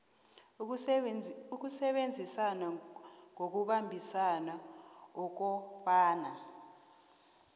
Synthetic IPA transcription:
uk̬usɛɓend͡zʱisanaŋok̬uɓambʱisanaɔk̬ɔfaːna

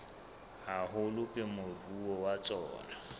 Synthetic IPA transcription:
haɦʊlʊkʼɪmʊruwɔwat͡sʼɔ̰ːna

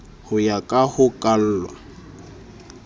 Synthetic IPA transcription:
hʊjakʼahʊkʼal̩ːlwa

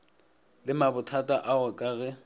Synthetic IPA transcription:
lɪmabʊtʰatʼaʔaɣʊkʼaɣɛ

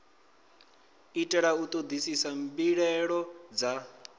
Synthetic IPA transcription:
itʼɛɺaut̪ʼod̪isisambiɺɛɺɔd͡za

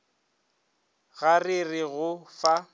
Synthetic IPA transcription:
ɣarɪrɪɣʊfa

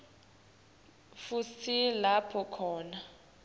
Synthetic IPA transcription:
futʰilapʰɔkʰɔːna

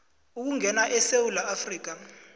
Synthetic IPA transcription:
uk̬uŋɛnaʔɛsewulaafriːk̬a

